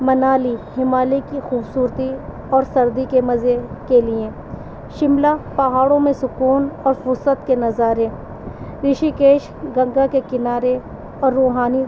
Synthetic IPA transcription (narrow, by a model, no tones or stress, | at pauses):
mɐnaːlihɪmaːlekːixuːbsuːɾt̪i | ɔːɾsɐɾd̪ikemɐzekeliẽ | ʃɪmlaːpɐɦaːɽõmẽsʊkuːnɔːɾfʊɾsət̪kenɐzaːɾẽ | ɾɪʃikeːʃ | ɡɐ̃ŋɡakekɪnaːɾe | ɔːɾːoːɦaːni